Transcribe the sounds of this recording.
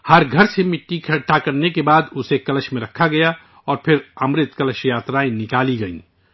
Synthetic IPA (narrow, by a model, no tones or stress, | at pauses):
hɐɾɡʱɐɾsemɪʈːikʰɐɽʈakɐɾnekebaːd̪ʊsekɐləʃmẽɾɐkʰːaɡɐja | ɔːɾpʰɪɾɐmɾɪt̪kələʃjaːt̪ɾaːinɪkaːliɡɐḭ̃ː